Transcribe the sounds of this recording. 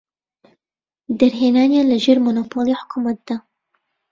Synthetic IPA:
d̪ɐɾɦeːnaːnjaləʒeːɾmonoːpʰoːleħʊ̥kʰumɐt̪̚d̪̥a

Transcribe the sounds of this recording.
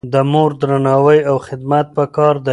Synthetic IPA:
d̪əmoɾd̪ɾanɑwəjawxɪd̪mat̪̚pəkɑɾd̪ə

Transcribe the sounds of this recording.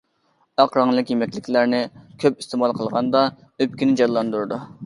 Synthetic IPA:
ɑqɾɑŋlˠɨkʲjemɛkʲlɪkʲlæɾnɪkʲʰøpist̪emɑlˠqʰəlˠʁɑnd̪ɑ | øp̚kʲinɪd͡ʒɑllːˠɑnd̪uɾɨd̪u

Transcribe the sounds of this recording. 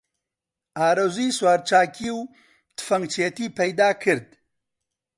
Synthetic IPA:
ʔaːɾozujswaːɾt͡ʃaːkʰiːw | t̪ʰɨ̥fɐŋɡt͡ʃʰet̪iːpɐjd̪aːkʰɨɾd̪

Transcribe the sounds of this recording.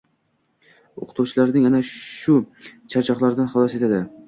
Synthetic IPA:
oqʰɨ̥t̪ʰuwt͡ʃʰɪlaɾnɪŋanaʃʊt͡ʃʰaɾt͡ʃʰɒqlˠaɾɪd̪anχɒlˠɒse̞t̪ʰad̪ɪ

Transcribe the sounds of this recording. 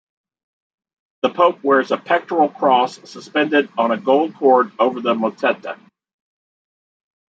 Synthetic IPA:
ðəpʰoʊp̚wɛɹzəpʰɛk̚tɹl̩ˠkʰɹ̥ɔsːəspɛ̃ndɪɾn̩ɨɡoʊlˠd̚kʰɔɹɾoʊvə˞ðəmətʰɛtə̰

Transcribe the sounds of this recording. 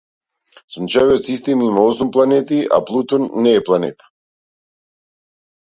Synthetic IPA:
sunt͡ʃaviot̪sist̪ɛmimaɔsumplˠanɛt̪ia̰plˠut̪ɔnːɛːplˠanɛ̰t̪ḁ

